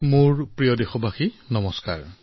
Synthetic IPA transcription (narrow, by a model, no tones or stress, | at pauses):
mʊɹpɹijɔdexɔbʱaxinɔmɔska̰ɹ